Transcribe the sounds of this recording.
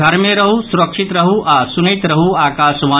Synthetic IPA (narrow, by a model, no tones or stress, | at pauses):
ɐɾmẽɾɐɦusuɾɐkʂit̪ɾɐɦuʔaːsunɐit̪ɾɐɦuaːkaːʃʋaː